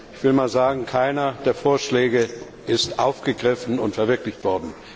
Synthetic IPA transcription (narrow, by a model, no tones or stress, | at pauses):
ɪçv̥ɪlmaːlzaːɡŋ̩kʰaɪnɐd̥eːɐfoːɐʃlɛːɡə | ʔɪstʔaʊfɡ̥əɡʁɪfn̩ʊntfɛɐvɪɐklɪçtv̥ɔɐdn̩